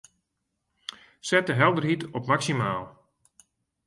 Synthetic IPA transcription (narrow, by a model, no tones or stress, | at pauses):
sɛtəɦɛlˠdərɦitɔpmaksimaːlˠ